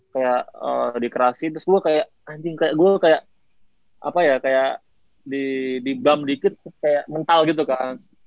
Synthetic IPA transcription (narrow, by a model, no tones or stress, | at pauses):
kajaʔə̰dikəɾasɪnt̪ɾʊsɡuakajaʔ | aɲd͡ʒɪŋkajaʔɡuakajaʔ | a̰pajakajaʔ | didibamdikɪt̪̚skajaʔmənt̪alɡit̪̬ukaŋ